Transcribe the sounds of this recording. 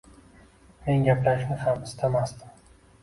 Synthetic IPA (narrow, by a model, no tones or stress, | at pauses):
me̞nɡʲaplaʃnɪhamɪst̪ʰamasd̪ɪm